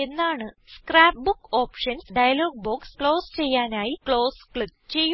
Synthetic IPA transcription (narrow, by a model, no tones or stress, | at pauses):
e̞nːaːɳɨskraːp̚bukːo̞ːpʂɐnsɖɐjɐlo̞ːɡ̚boːkskɭo̞ːst͡ɕe̞jːaːnaːjikɭo̞ːskɭikt͡ɕe̞jːu